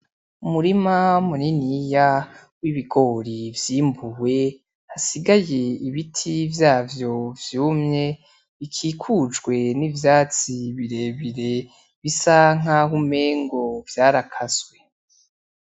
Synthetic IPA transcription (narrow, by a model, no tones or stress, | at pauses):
umuɾimamuninija | wiβiɡo̞ɾivjiːmbuwe̞ | hasiɡaje̞iβitʰivjaːvjo̞vjuːmɲe | βikʰiːkʰud͡ʒɡwe̞nivjaːt͡siβiɾe̞ːβiɾe̞ | βisaŋ̥ahume̞ːŋɡo̞vjaːɾakʰazwe̞